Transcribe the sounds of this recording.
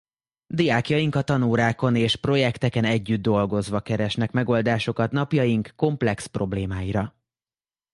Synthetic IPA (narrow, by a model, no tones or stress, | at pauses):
d̪ijaːkjɒjiŋkɒt̪ɒnuːɾaːko̞neːʃpro̞jɛkt̪ɛkɛnɛɟːyd̪ːo̞lɡo̞zʋɒkɛɾɛʃnɛkmɛɡo̞ld̪aːʃo̞kɒt̪nɒpjɒjiŋkːo̞mplɛkspro̞bleːmaːjiɾɒ